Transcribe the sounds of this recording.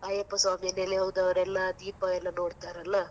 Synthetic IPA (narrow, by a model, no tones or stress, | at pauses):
ɐjɐpːɐsaːmijɐneleɦɐwd̪ɐʋɐɾɛlːad̪iːpɐɛlːɐnoːɽt̪aːɾɐlːa